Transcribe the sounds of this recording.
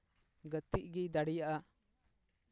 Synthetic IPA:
ɡət̪iʔɡid̪aɽijaʔa

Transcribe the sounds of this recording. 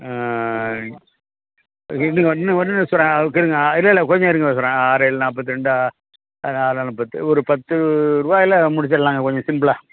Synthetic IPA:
ɪniːŋɡɐʋɐnːɯʋɐnːnsɔɾːãːɐkːɪɾɯŋɡɐɪlːɐɪlːɐkɔɲd͡ʒɔ̃ɪɾɯŋɡɐsɔɾãːaːɾeɭnaːp̬ːɐt̪̬ːɯɾɛɳɖɯa | naːlalɯpːɐt̪ːɯɔɾɯpɐt̪ːɯɾuːbaːjɪlɐmʊɽɪt͡ʃːɐlːãːŋɡɐkɔɲd͡ʒɔ̃sɪmbɭaː

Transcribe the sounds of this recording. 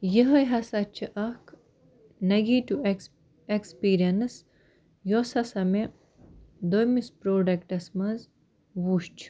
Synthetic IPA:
jəɦɐjɦɐsɐt͡ʃʰiʔɐkʰ | nɐɡiːʈue | ekspiːɾijɐns | josɐsɐme | d̪ojmispɾoːɖɐkʈɐsmɐz | ʋuːʃt͡ʃʰu̥

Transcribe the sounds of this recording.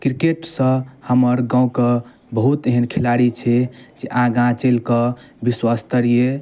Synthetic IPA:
kɾikeʈsə̃həməɾɡãũkə | bəɦut̪eɦənkʰilaɽit͡ʃʰɛd͡ʒeʔãɡãt͡ʃelkəbiswast̪əɾie

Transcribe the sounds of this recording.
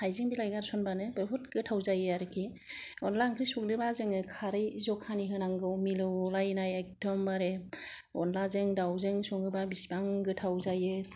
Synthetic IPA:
hajzɯŋbilajɡaɾsɔnbanɯbɯɾɦut̚ɡɯtʰawzajɯaɾɯkʰi | ɔnlaŋkʰɾisuŋɾɯbazɯŋɯkʰaɾɯjzɔkʰaniɦɯnaŋɡɯwmilɯwlajnajak̚tʰɔmbaɾeɔnlazɯŋdawzɯŋsɔŋɯbabisbaŋɡɯtʰawzajɯ

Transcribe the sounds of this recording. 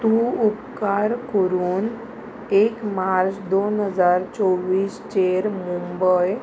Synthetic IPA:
t̪uupkaɾkəɾuːn | ekmaɾt͡ɕd̪onɦəd͡zaɾt͡sɔʋiːst͡ɕeɾmumbəj

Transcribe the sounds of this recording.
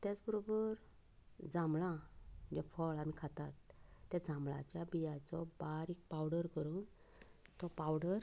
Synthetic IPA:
t̪jat͡sbəɾobəɾ | d͡zãmɭãd͡ʑɛfɔɭamikʰat̪at̪ːjad͡zʱãmɭa̰t͡ɕjabijat͡sɔbaɾik̚pawɽəɾkəɾuːn | t̪ɔpawɽəɾ

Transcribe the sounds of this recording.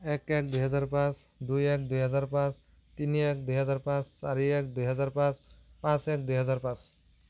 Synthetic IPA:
ɛkɛkd̪ujɦɔzaɾpãsd̪ujɛk̚d̪ujɦʌzaɾpãs | t̪iniɛkd̪ujɦʌzaɾpãsːaɾiɛk̚d̪ujɦʌzaɾpãspãsɛk̚d̪ujɦʌzaɾpãs

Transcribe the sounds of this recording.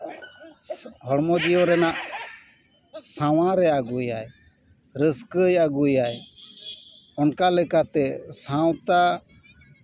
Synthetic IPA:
hɔɽmɔd̪ijɔɾɛnaʔ | sawãɾɛaɡujaj | ɾəskəjaɡujaj | ɔnkalɛkat̪ɛsãw̃t̪a

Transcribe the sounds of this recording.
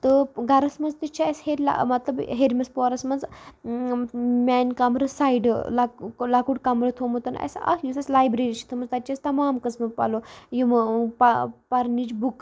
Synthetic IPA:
t̪əɡʱɐɾɐsmɐd͡zt̪it͡ʃʰiasheɾʲla̰mɐt̪lɐbɦeɾmɐspɔɾɐsmɐnd͡z | mɛnkamɾɐsajɖlalakuɽkamɾɐt̪ʰomot̪ɐnɐ̰sa̰kjusɐslajbɾeɾit͡ʃʰi̥t̪ʰəmɐnd͡zt̪at͡ʃast̪ɐmaːmkɐt͡smɐpa̰lojimpapɐɾnit͡ʃbuk

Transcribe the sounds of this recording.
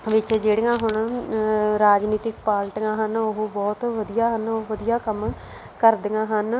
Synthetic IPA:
ʋɪt͡ʃd͡ʒeːɽŋãːɦʊɳ | ɾaːd͡ʒniːt̪ɪkpaːlʈŋãːɦənoɦbɔːt̪ʋəd̪ijaːɦənoʋəd̪ijaːkəm | kəɾd̪ɪŋãːɦən

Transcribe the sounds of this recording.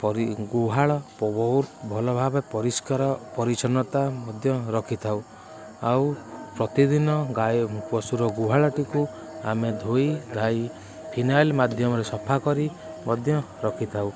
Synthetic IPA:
pɔiɡuɦaɭɔpɔbɔwɾbʱɔlɔbʱabepɔɾiskaɾɔpɔɾit͡ʃɔnɔt̪amɔd̪ʱjɔɾɔkʰit̪ʰaw | awpɾɔt̪id̪inɔɡajpɔsuɾɔɡuɦaɭɔʈiku | a̰med̪ʱoid̪ʱaj | pʰinalmad̪ʱjɔmɔɾesɔpʰakɔɾi | mɔd̪ʱjɔ | ɾɔkʰit̪ʰaw

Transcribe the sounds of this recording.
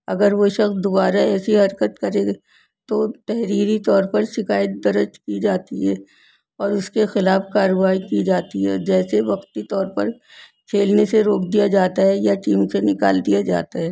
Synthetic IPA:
ɐ̰ɡəɾʋoʃɐxsd̪obaːɾaɛːsiɦɐɾkət̪kɐɾeɡ | t̪ot̪ɛɦɾiːɾit̪ɔːɾpɐɾʃɪkaːjət̪̚d̪ɐɾət͡ʃkid͡ʒaːt̪iɦɛː | ɔːɾʊskexɪlaːfkaːɾəʋaːikid͡ʒaːt̪iɦɛɔ̰ːɾd͡ʒɛːseʋɐqt̪it̪ɔːɾpɐɾ | kʰeːlneseɾoːkʰd̪ijad͡ʒaːt̪aɦɛjaʈiːmsenɪkaːld̪ijad͡ʒa̰ːt̪aɦɛː

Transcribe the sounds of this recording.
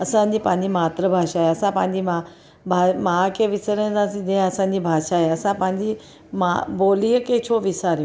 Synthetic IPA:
əsãɲipãɲd͡ʑimat̪ɾəbʱaʂaɦeəsãpãɲd͡ʑima | bʱamakeʋisəɾẽd͡zasid̪ẽəsãnd͡ʑibʱaʂaɦeəsãpãɲd͡ʑi | ma̰bolijəket͡ɕʰoʋisaɾj

